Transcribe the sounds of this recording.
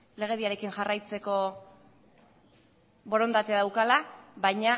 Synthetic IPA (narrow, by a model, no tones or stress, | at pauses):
le̞ɣ̞e̞ðiaɾe̞kiŋʝarajt͡se̞ko̞ | βo̞ɾo̞nd̪at̪eaðawkalaβajɲa